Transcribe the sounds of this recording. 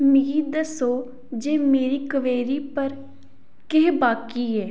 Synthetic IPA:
mɪɡiːd̪əsoː | d͡ʒeːmeːɾiːkəʋeːɾiːpəɾ | keːbaːkiːɛː

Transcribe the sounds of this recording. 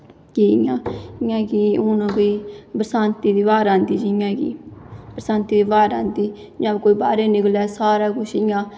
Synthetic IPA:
kiːɪjãːɪjãːkiʊːnãːkoːiːbəɾsãːnt̪iːd̪iːbaːɾãːnd̪iːd͡ʒɪjãːkḭːbɾəsãːnt̪iːd̪iːbaːɾãːnd̪iː | d͡ʒãːbkoːiːbaːɾeːnɪklɛːsaːɾaːkʊʃɪjãː

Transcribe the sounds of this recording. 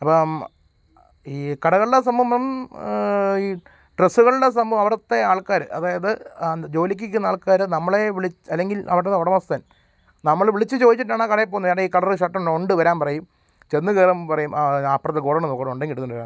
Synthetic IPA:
ɐpːo | iːkɐɽɐɣɐɭɨɽes̬ɐmbɐmɐm | iː | ʈresːuɣɐɭɨɽes̬ɐmbɐʋɐmɐʋɐɾɐt̪ːe̞aːɭkaːɾɨ̰ʔɐðaːjɐðɨd͡ʑo̞ːlikʲːikʲːunːɐaːɭkaːɾɨnɐmːɐɭe̞ʋiɭit͡ɕːɐlːe̞ŋɡilɐ̰ʋɐʈːenːɐoɽɐmɐst̪ɐn | nɐmːɐɭʋiɭit͡ɕːɨt͡ɕo̞ːðit͡ɕːiʈːaːɳakɐɽɐjepːoːnɐjaːɽeiːkɐɽɐrɨɕɐʈːɐmoɳɖɨʋɐɾaːnpɐrɐjum | t͡ɕe̞nːɨkeːrɐmpɐrɐjumʔaːpːrɐt̪ːɨɡoːɽɐɳɐmokɐɽoɳɖeŋɡiɽuːuɳɖɐɾaː

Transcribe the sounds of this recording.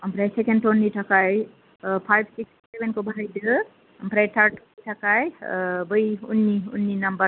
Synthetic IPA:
ɦəmpɾajsekenɖʈonːiʈʰəkaj | pʰajbsikssebenkobʱajd̪ə | ɦəmpɾajt̪ʰəɾʈ | iʈʰəkajbəiunːiṵnːinəmbəɾ

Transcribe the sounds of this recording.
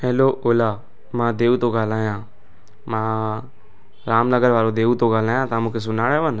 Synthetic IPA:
ɦɛːloːʔoːlaː | mãːd̪eːut̪õːɡaːlaːjãː | mãː | ɾaːmnəɡəɾʋaːɾõːd̪eːut̪oːɡaːlaːjãːt̪ãːmũːkʰeːs̬ʊnaːɽeːʋən

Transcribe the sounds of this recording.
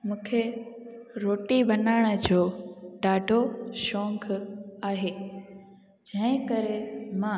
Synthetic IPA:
mũːkʰe | ɾoːʈibʱɐnaːɪɽ̃ə̆d͡ʑoːɖaːɖʱoʃɔ̃ːŋkʰaːɦeː | d͡ʑɐ̃ɦɪ̃kəɾemã

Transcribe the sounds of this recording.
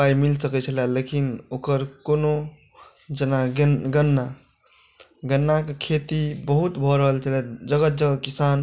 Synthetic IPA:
pajmilsəkɛt͡ʃʰəlalekinokəɾkono | d͡ʒənaɡɡənːa | ɡənːakekʰet̪ibəɦut̪bʱɔɾəɦəlt͡ʃʰəlad͡ʒəɡət̪̚d͡ʒəɡəkisan

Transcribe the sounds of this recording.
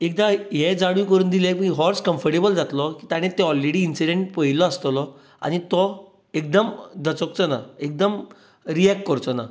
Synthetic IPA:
ek̚d̪aɦed͡zaɽ̃ũːkəɾuːnd̪ilemiːɦɔɾskəmfəɾʈebəld͡zat̪lɔkiːt̪aɽ̃et̪ːɛɔlɾeɽiːnsiɽẽɳʈpəɦilɔast̪lɔ | a̰ɽ̃it̪ɔ | ek̚d̪əmd̪ət͡sɔkt͡sɔna̰ek̚d̪əm | ɾiɛk̚ʈkəɾt͡sɔna̰

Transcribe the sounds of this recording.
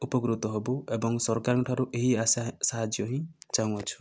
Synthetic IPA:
upɔkɾut̪ɔɦebuebɔŋsɔɾkaɾɔŋkɔʈʰaɾuʔeɦiasasaɦad͡ʒjɔɦĩt͡ʃaw̃ɔt͡ʃʰu̥

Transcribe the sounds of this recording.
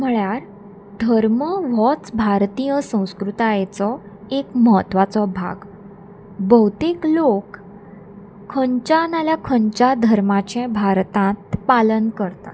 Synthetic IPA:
m̤əɭjaɾ | d̪ʱəɾməʋɔt͡sbʱaɾt̪ijəsə̃w̃skɾut̪ajt͡sɔ | ekməɦət̪ʋat͡sɔbʱa̰ɡ | bəwt̪iklok | əɲt͡ɕanaljakʰəɲt͡ɕad̪ʱəɾmat͡ɕɛ̃bʱaɾt̪ãt̪palənkəɾt̪a

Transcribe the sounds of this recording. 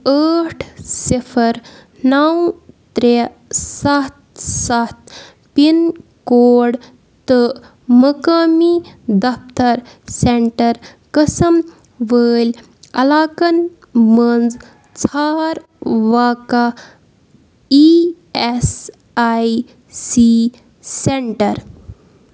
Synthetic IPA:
əːʈʰsipʰɐɾ | nɐwt̪ɾe | sɐt̪sɐt̪̚ | pinkoːɽ | t̪ɨ | mɐkaːmid̪ɐft̪ɐɾ | seɳʈɐɾkɐsɐm | ʋəːlʲ | ɐ̰laːkɐn | mənd͡z | t͡sʰaːɾ | ʋaːka | i | es | aj | si | seɳʈɐɾ

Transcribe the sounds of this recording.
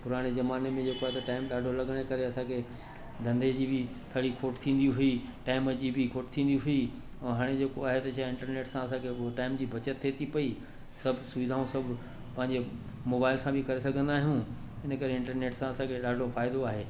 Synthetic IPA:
pʊɾaːɽ̃ezɐmaːnemẽd͡ʑeːkoaːɦet̪ɐʈaːɪmɗaːɖʱolɐɡəɽ̃ekɐɾeɐsãkʰe | d̪ʱɐ̃nd̪ed͡ʑiːbɪ | t̪ʰɐɽikʰoːʈt̪ʰĩːn̆d̪ijũɦʊi | ʈaːɪməd͡ʑiːbʱɪkʰoːʈt̪ʰĩːn̆d̪iɦʊi | ɛ̃ːɦaːɽ̃ed͡ʑeːkoaːɦet̪ɐʃaɪ̃ɳʈəɾneːʈsãɐsãkʰeʈaːɪmd͡ʑiːbʱɐt͡ɕət̪ʰːet̪ʰipɐi | sɐbʱsʊʋɪd̪ʱaːũsɐbʱʊ | pɐ̃ɦɪ̃ɲd͡ʑe | moːbaːɪlsãbʱɪkɐɾesɐɡʱə̃nd̪aːɦijũ | ɪnəkɐɾeɪ̃ɳʈəɾneːʈsãɐsãkʰeɗaːɖʱofaːɪd̪oaːɦeː

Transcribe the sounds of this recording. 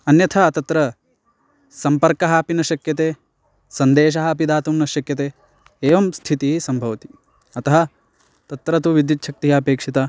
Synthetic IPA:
ɐnjɐt̪ʰɐt̪ɐt̪ɾɐ | sɐmpɐɾkɐɦɐpinɐʃɐkjɐt̪eː | sɐnd̪eːʃ̬ɐɦɐpid̪aːt̪umnɐʃɐkjɐt̪eː | eːʋɐmst̪ʰit̪iɦisɐmbʱɐʋɐt̪i̥ | ɐt̪ɐɦɐ | t̪ɐt̪ɾɐt̪̬uʋid̪jit̪ʃɐk̚t̪iɦiɐpeːkʂit̪ɐ

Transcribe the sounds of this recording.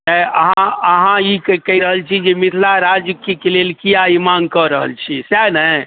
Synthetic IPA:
ɛəɦãəɦãikkəiɾəɦəlt͡ʃʰid͡ʒemit̪ʰlaɾad͡ʒkikelelkijaimaŋɡkəɾəɦə̰lt͡ʃʰisjanə

